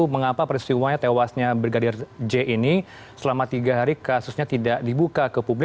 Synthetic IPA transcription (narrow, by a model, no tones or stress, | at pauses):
uməŋapapəɾist̪iwaɲat̪ewasɲabərɡadɪrd͡ʒeʔini | səlamat̪iɡaɦaɾikasusɲat̪idaʔdibukakəpublɪ